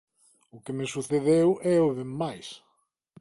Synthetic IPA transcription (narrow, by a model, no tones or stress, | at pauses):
ʊkɪmesuθeðewʔɛʊðeːajs